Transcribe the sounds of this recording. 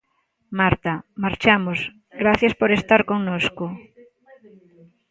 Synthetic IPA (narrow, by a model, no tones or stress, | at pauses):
maɾt̪ɐmaɾt͡ʃamos | ɡɾaθjaspoɾest̪aɾkoŋnoskʊ